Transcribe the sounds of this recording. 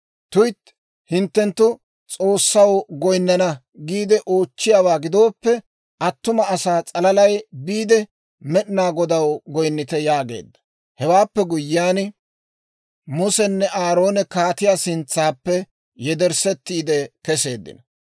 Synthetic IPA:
t̪ʊjt̪ | hɪnt̪ːɛnt̪ːʊ | t͡sʼo̞ːsːɐwɡɔjnːɐnɐ | ɡiːd̪ɛʔo̞ːt͡ʃːɪjaːwaːɡɪd̪o̞ːpːɛ | ʔɐt̪ːʊmɐɐsaːt͡sʼɐlɐlɐjbiːd̪ɛ | mɛɗɪnaːɡɔd̪ɐwɡɔjnːɪt̪ɛjaːɡe̞̰ːd̪ːɐ̥ | hɛwaːpːɛɡʊjːɪaːn | mʊsɛnːɛʔaːɾo̞ːnɛkaːt̪ɪjasɪnt͡sːaːpːɛ | jɛd̪ɛɾsɛt̪ːiːd̪ɛkɛse̞ːd̪ːɪ̰nɐ

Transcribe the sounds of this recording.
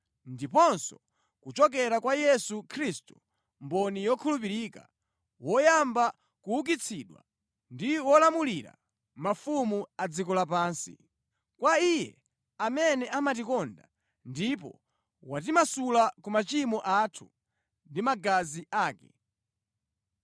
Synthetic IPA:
ndipɔnsɔ̰ | kut͡ʃɔk̬ɛɾakwajɛsukʰɾistu | mbɔnijɔkʰulup̬iɾiːka̰ | wɔjamba | kuuk̬it͡sʰiːɗwa̰ | ndiwɔlamuliɾa̰ | mafumuad͡zikɔlapaːnsḭ | kwaijɛ̰ | amɛnɛʔamat̬ikɔnda | ndipɔ̰ | wat̬imasulakumat͡ʃimɔʔatʰu | ndimaɡaziʔaːkɛ̰

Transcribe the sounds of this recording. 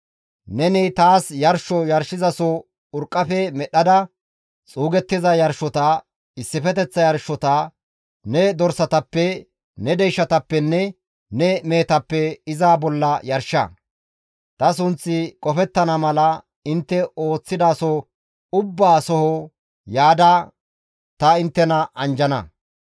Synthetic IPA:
nɛnɪt̪aːsjɐɾʃɔjɐɾʃɪzɐsɔ | ʊɾkʼːɐfɛmɛɗɐd̪ɐ | t͡sʼuːɡɛt̪ːɪzɐjɐɾʃːɔt̪ɐ | ɪsːɪfɛt̪ɛt͡sːɐjɐɾʃːɔt̪ɐ | nɛd̪ɔɾsɐt̪ɐpːɛ | nɛd̪ɛjʃːɐt̪ɐpːɛnːɛ | nɛme̞ːt̪ɐpːɛɪzaːbɔlːɐjɐɾʃɐ̰ | t̪ɐs̬ʊnt͡sːɪkʼɔfɛt̪ːɐnɐmɐlɐ | ɪnt̪ːɛo̞ːt͡sːɪd̪aːsɔ | ʊbːaːsɔhɔ | jaːd̪a | t̪ɐɪnt̪ːɛnɐʔɐnd͡ʒɐnɐ̰

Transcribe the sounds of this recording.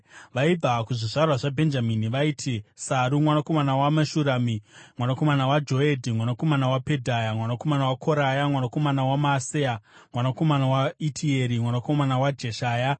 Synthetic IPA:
ʋaib͡vakuʐiʐarwaʐabʱe̞nd͡ʒaminiʋaiːtʰisaɾumwanako̞manawamaʃuɾamimwanako̞manawad͡ʒo̞edʱimwanako̞manawape̞dʱajamwanako̞manawakʰo̞ɾajamwanako̞manawamaseamwanako̞manawaitʰieɾimwanakomanawad͡ʒe̞ʃaːja

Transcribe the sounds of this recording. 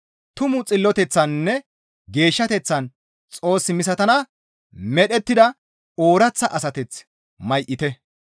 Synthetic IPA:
t̪ʊmʊt͡sʼɪlːɔt̪ɛt͡sːɐnːɛ | ɡe̞ːʃːɐt̪ɛt͡sːɐn | t͡sʼo̞ːsːɪmɪs̬ɐt̪ɐnɐ | mɛɗɛt̪ːɪd̪ɐ | o̞ːɾɐt͡sːɐʔɐsɐt̪ɛt͡s | mɐjʔɪt̪ɛ

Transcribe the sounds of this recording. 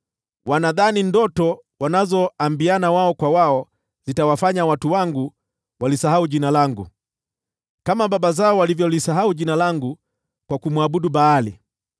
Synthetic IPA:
wanaðanindɔtɔwanazɔambianawaɔkwawaɔ | z̥itawafaɲawatuwaŋɡu | walisaɦauʄinalaŋɡu | kamababazaɔwalivjɔlisaɦauʄinalaŋɡu | kwakumwaɓuɗubaːlḭ

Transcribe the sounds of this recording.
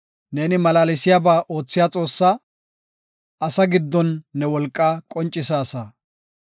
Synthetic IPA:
ne̞ːnɪmɐlaːlɪsɪjaːbaːʔo̞ːt͡sːɪjat͡sʼo̞ːsːɐ | ɐsɐɡɪd̪ːɔnːɛwɔlkʼːaːkʼɔnt͡ʃʼːɪsaːsa

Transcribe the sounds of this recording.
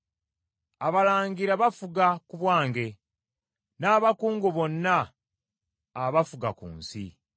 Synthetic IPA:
aβalaːŋɡiɾaβafuɡakuβwaːŋɡe̞ | naːβakuːŋɡoβo̞nːa | βafuɡakṵːnsḭ

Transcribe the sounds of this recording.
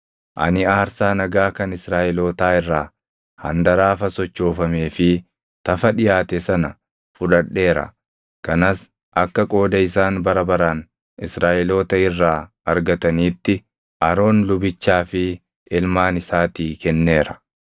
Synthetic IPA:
ʔɐ̰nɪaːɾsaːnɐɡaːkɐnɪsɾaːʔɛloːt̪aːɪrːaː | hɐ̰nd̪ɐɾaːfɐsɔt͡ʃːo̞ːfɐme̞ːfɪ | t̪ɐfɐᶑɪjaːt̪ɛsɐnɐ | fʊᶑɐᶑːe̞ːɾɐ̰ | kɐnɐs | ʔɐkːɐkʼo̞ːd̪ɐɪsaːnbɐɾɐbɐɾaːn | ɪsɾaːʔɪlo̞ːt̪ɐɪrːaː | ɐɾɡɐt̪ɐniːt̪ːɪ | ʔɐɾo̞ːnlʊbɪt͡ʃːaːfɪ | ɪlmaːnɪsaːt̪iːkɛnːe̞ːɾɐ̥

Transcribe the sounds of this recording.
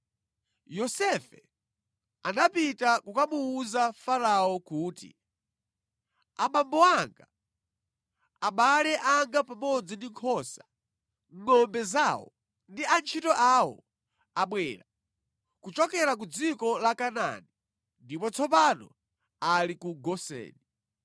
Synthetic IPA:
jɔsɛfɛ | anapitakukamuːzafaɾaɔkuːtḭ | aɓambɔaŋɡa | aɓalɛʔaŋɡapamɔd͡zindiŋkʰɔsa | ŋɔmbɛzawɔ̰ | ndiant͡ʃʰitɔʔawɔ̰ | aɓwɛːɾa | kut͡ʃɔkɛɾak̬ud͡zikɔlakana̰ni | ndipɔt͡sʰɔpanɔ̰ | alikuɡɔsɛ̰ːni

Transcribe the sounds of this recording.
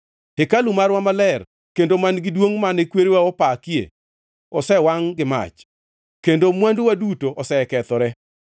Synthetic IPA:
hekalumarwamalɛr | kendomanɡɪdwoŋmanɛkweɾewaɔpakijḛ | ɔsɛwaŋɡɪma̰t͡ʃ | kendomwandwadutoʔɔsɛkɛt̪ɔɾɛ

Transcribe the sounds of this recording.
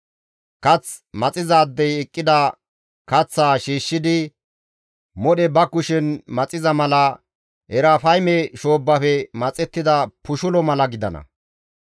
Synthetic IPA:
kɐt͡s | mɐt͡sʼɪzaːd̪ːɛjɛkʼːɪd̪ɐ | kɐt͡sːaːʃiːʃːɪd̪ɪ | mɔɗɛbɐkʊʃɛnmɐt͡sʼɪzɐmɐlɐ | hɛɾafɐjmɛʃo̞ːbːɐfɛmɐt͡sʼɛt̪ːɪd̪ɐpʊʃʊlɔmɐlɐɡɪd̪ɐ̰nɐ̰

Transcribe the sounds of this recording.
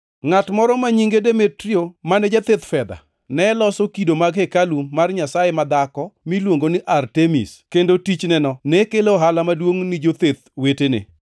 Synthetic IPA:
ŋatmɔɾɔmaɲiŋɡedemetɾiomanɛd͡ʒat̪et̪fɛd̪a̰ | nɛlɔsɔkidomaɡhekalumarɲasajemad̪akɔmilwoŋɡonɪʔartemḭskendotit͡ʃnɛnɔnɛkelːɦalamadwoŋnid͡ʒot̪et̪̚wetenɪ̰

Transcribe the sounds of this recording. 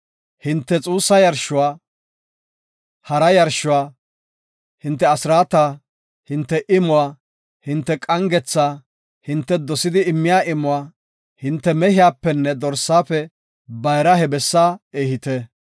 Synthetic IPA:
hɪnt̪ːɛt͡sʼuːsːɐjɐɾʃʊwaː | hɐɾɐjɐɾʃʊwaː | hɪnt̪ːɛɐsɪɾaːt̪aː | hɪnt̪ːɛʔɪmʊwaː | hɪnt̪ːɛkʼɐŋɡɛt͡sːaː | hɪnt̪ːɛd̪ɔsɪd̪ɪːmːɪjaːʔɪmʊwaː | hɪnt̪ːɛmɛhɪjaːpːɛnːɛd̪ɔɾsːaːfɛ | bɐjɾɐhɛbɛsːaːeːhɪt̪ɛ

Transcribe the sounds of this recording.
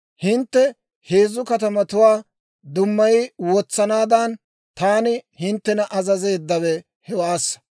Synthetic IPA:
hɪnt̪ːɛ | heːzːʊkɐt̪ɐmɐt̪ʊwaː | d̪ʊmːɐjɪwɔt͡sːɐnaːd̪ɐn | t̪aːnɪhɪnt̪ːɛnɐʔɐzɐze̞ːd̪ːɐwɛ | hɛwaːsːɐ̥

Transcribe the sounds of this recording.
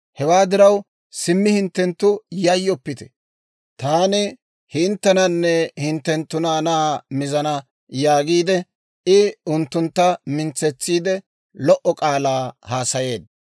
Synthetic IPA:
hɛwaːd̪ɪɾɐw | sɪmːɪhɪnt̪ːɛnt̪ːʊjɐjːɔpːɪt̪ɛ̥ | t̪aːnɪ | hɪnt̪ːɛnɐnːɛhɪnt̪ːɛnt̪ːʊnaːnaːmɪzɐnɐ | jaːɡiːd̪ɛ | ɪʊnt̪ːʊnt̪ːɐmɪnt͡sːɛt͡sːiːd̪ɛ | lɔʔɔkʼaːlaːhaːsɐje̞ːd̪ɐ

